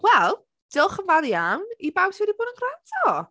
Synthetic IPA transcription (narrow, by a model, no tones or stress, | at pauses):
wɛlˠ | d̥ɪlˠχəvaðjawnibawswɛdiboːdənɡrantʰɔ